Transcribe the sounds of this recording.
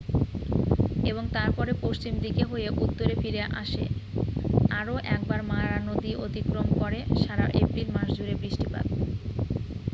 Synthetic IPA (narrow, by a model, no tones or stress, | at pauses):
eβoŋt̪aɾpɔɾepoʃt͡ɕimd̪ikeɦoeʔut̪ːoɾefiɾeʔa̰ʃḛ | aɾoʔɛk̚baɾmaɾanod̪iʔot̪ikɾomkɔɾeʃaɾaʔepɾilmaɾʃd͡ʑuɾebɾiʃʈipa̰d̪̚